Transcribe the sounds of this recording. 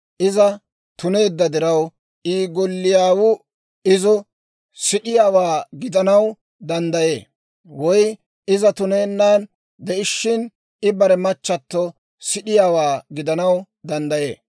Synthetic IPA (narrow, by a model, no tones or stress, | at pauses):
ʔɪzɐ | t̪ʊne̞ːd̪ːɐd̪ɪɾɐw | ʔiːɡɔlːɪjaːwʊ | ɪzɔ | sɪɗɪjaːwaːɡɪd̪ɐnɐw | d̪ɐnd̪ɐje̞̰ː | wɔj | ɪzɐt̪ʊneːnːaːn | d̪ɛʔɪʃːɪn | ɪbɐɾɛmɐt͡ʃːɐt̪ːɔ | sɪɗɪjaːwaːɡɪd̪ɐnɐw | d̪ɐnd̪ɐje̞ː